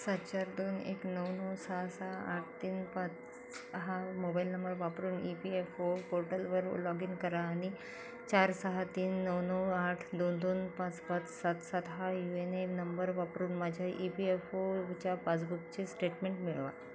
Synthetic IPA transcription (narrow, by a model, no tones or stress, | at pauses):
sat̪t͡ɕaɾd̪onḛknəwnəwsaɦsaaaʈʰt̪iːnpãt͡s | ɦamobajlnəmbəɾʋapɾuːnipiefopoɾʈəlʋəɾlɔɡiːŋkəɾaːɽ̃i | t͡ɕaɾsəɦat̪iːnːəwnəwaʈʰd̪ond̪onpãt͡spãt̪sat̪sat̪ɦajuenenəmbəɾʋapɾuːnmad͡ʑʱjaʔipiefot͡ɕjapat͡sbukt͡ɕesʈeʈmẽɳʈmiɭʋa̰